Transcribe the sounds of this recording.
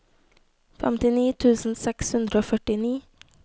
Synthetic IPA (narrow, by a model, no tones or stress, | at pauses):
fɛ̰mt̪ɪniːt̪ʰʉːsn̩sɛkshʉnd̪ɾəoːfœʈɪniː